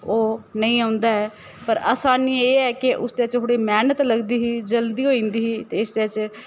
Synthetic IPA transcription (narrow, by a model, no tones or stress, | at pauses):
oːnəĩːãːʊnd̪aːɦɛː | pəɾa̰ːsaːniːeːɛːkɪʔʊsd̪eːət͡ʃɦoːɽeːmɛːnət̪ləɡd̪iːɦiːd͡ʒəld̪iːɦoːĩːnd̪iːɦiːt̪eːɪsd̪eːət͡ʃ